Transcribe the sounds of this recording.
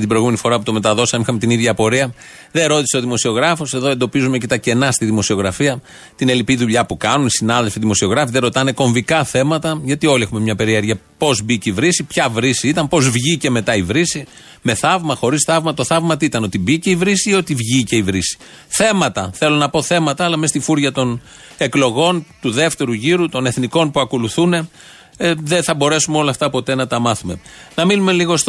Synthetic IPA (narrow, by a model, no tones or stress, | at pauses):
t̪ibɾo̞jɣume̞nifo̞ɾɐput̪o̞me̞t̪ɐðo̞sɐmixɐmet̪iniðʝɐpo̞ɾiɐ | ðe̞ɾo̞t̪ise̞oðimo̞sio̞ɣɾɐfo̞se̞ðo̞e̞nd̪o̞pizume̞cet̪ɐce̞nɐst̪iðimo̞sio̞ɣɾɐfiɐ | t̪ine̞lipiðuʎɐpukɐnunisinɐðe̞lfiðimo̞sio̞ɣɾɐfiðeɾo̞t̪ɐne̞ko̞ɱvikɐθe̞mɐt̪ɐʝɐt̪io̞lie̞xume̞mɲɐpe̞ɾieɾʝɐpo̞zbiceivɾisipçɐvɾisiit̪ɐmpo̞zvʝice̞me̞t̪ɐivɾisi | me̞θɐvmɐxo̞ɾisθɐvmɐt̪o̞θɐvmɐt̪it̪ɐno̞t̪ibice̞ivɾisio̞t̪ivʝice̞ivɾisi̥ | θe̞mɐt̪ɐ̰θe̞lo̞nɐpo̞θe̞mɐt̪ɐːlɐmest̪ifuɾʝɐt̪o̞n | e̞klo̞ɣo̞nt̪uðe̞ft̪e̞ɾuʝiɾut̪o̞ne̞θniko̞npuɐko̞luθune̞ | eðenθɐbo̞ɾe̞sumeo̞lɐːft̪ɐpo̞t̪e̞nɐt̪ɐmɐθume̞̰nɐminume̞liɣost̪